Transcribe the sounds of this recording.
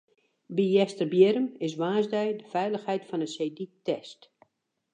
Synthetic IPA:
bijɛstərbjɪɾəmɪs̬ʋaːzdɛjdəfɛjləxhɛjtfɔnəsejditɛst

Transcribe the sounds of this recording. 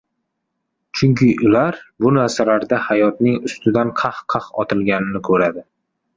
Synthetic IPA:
t͡ʃʰʊŋkʲɪʔʊlaɾbʊnaɾsalaɾd̪ahajɒt̪nɪŋʊst̪ɪd̪anqʰɑhqʰɑχɒ̰t̪ʰɪlˠɡʲanɪnɪkʰɵɾad̪ɪ

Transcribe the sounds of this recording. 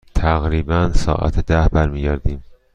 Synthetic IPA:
t̪ʰæɣɾiːbænsɒ̰ːʔæ̰t̪ʰed̪æhbæɾmiːɟæɾd̪iːm

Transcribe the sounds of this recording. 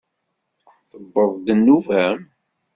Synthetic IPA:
θəbːəðˤd̪ənːuvæm

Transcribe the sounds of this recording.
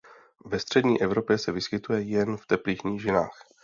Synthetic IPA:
vɛst̪r̥ɛdɲiːʔɛvɾo̞pjɛsɛvɪskɪt̪ujɛjɛnft̪ɛpliːxɲiːʒɪna̰ːx

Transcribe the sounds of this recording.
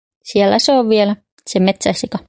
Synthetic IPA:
sielːæseoʋʋielæ | semet̪sæsikɑ

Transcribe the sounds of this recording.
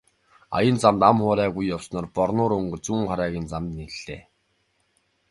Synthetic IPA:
a̰jə̆nt͡samt̪amχʊːɾæːɣujːawsnɔːrpɔrnʊːɾɵŋɡɵ̆t͡suːŋχaɾæːɣʲiːnt͡samt̪niɮ̥eː

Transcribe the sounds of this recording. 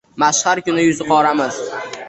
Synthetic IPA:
maʃhaɾkʲʊnɪjʊzɪqʰɒɾamɪz

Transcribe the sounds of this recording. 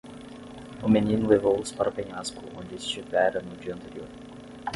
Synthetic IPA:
ʊmenʲĩnlˠevowspaɾɐpɛnʲaskʊʔõnʲdʲɪst͡ʃivɛɾɐnʊd͡ʒiɐnt̪eɾioɾ

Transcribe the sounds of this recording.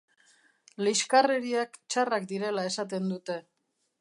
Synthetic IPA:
liʃkareɾiakt͡ʃarak̚d̪iɾe̞lae̞sat̪̬e̞nd̪ut̪e̞

